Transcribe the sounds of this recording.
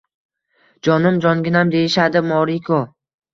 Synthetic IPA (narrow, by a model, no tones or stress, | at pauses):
d͡ʒɒnɪmd͡ʒɒnɡʲɪnamd̪ejɪʃad̪ɪmɒɾikʰɒ